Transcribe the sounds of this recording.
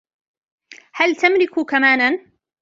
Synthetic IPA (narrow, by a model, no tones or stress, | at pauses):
halt̪amlɪkʊkamaːnan